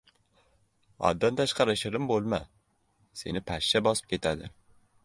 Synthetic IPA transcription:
ɒ̰d̪ːant̪ʰaʃqʰɑɾɪʃɪɾɪmbolˠma | se̞̰nɪpʰaʃːabɒsɪ̥p̚kʲe̞t̪ʰad̪ɪ̰

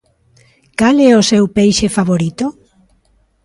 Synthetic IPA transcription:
kalɛosewpejʃefaβoɾit̪o

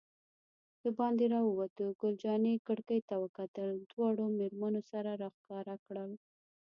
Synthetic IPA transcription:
d̪̥əbɑnd̪eɾɑwəwat̪əɡʊld͡ʒɑnekəɽkəjt̪awəkat̪əld̪wɑɽomeɾmanosaɾaɾɑxkɑɾakɽəl

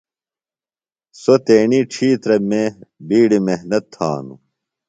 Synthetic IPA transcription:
sot̪eːniʈ͡ʂʰiːt̪ɾɐmeːbiːɽimehnɐt̪ʰːa̰ːnṵ

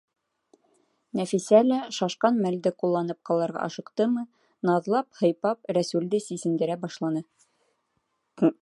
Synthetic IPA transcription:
næfisælæʃɑʃqɑnmæld̪ɘqulˠːɑnɤp̚qɑlˠɑɾʁɑ̰ʔɑʃɤ̆qt̪ɤmɤ | nɑðlˠɑphɤ̆jpɑpɾæsʉld̪ɘsisɘ̆nd̪ɘ̆ɾæbɑʃlˠɑnɤ

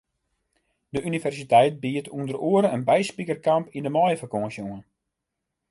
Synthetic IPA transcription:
dəʔynivɛrsitɛjt̚biətʰundəroəɾəənbɛjspikərkampʰindəmɔjəfakɔnsjuən

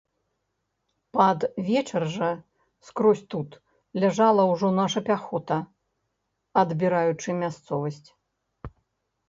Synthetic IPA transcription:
pɐd̪vʲɛt͡ʂɐrʐɐ | skɾɔsʲt̪ut̪ | lʲaʐalˠɐwʐɔnaʂɐpʲaxɔt̪ɐ | ɐd̪bʲiɾajut͡ʂɨmʲast̪sɔvɐsʲt͡sʲ

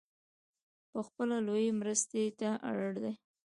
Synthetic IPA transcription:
pəxpəlalojemɾəst̪et̪aʔa̰ɽəɽd̪aj

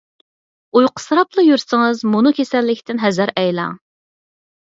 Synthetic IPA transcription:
ujqʰə̥sɾɑplˠɨjyɾsɪŋɨzmunukʲʰesɛlːɪkʲt̪ʰɪnɦɛzæɾɛjlɑ̰ŋ

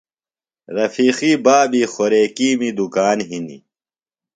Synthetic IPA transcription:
ɾɐfiːxibaːbixoɾeːkiːmid̪ukaːnɦinḭ

